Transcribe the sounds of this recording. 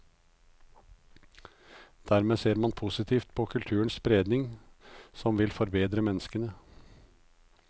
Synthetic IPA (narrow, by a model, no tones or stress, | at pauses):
d̪̥æɾmeːseːɾmɑnpʰuːsɪt̪ʰiːft̪̚pʰoːkʰʉlt̪ʰʉːəɳsbɾeːd̪nɪŋsɔmʋɪlfɔɾbeːd̪ɾəmɛnːəskənə